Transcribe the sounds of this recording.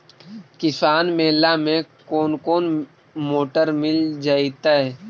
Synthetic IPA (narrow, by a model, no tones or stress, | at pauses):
kɪsaːnmeːlamẽkoːnkoːn | moːʈəɾmɪld͡ʒaːit̪aɦɛː